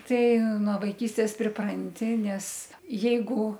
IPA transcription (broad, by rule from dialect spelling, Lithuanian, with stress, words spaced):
ˈtɐɪ nuɔ ʋɐɪˈkʲiːsʲtʲeːs pʲrʲɪˈprɐnʲtʲɪ ˈnʲɛs ˈjɛɪɡʊ